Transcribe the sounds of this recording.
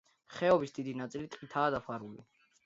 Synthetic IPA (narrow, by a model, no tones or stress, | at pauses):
χɛɔbisd̪id̪inat̪sʼilit̪ʼqʼit̪ʰaːd̪apʰwaɾuli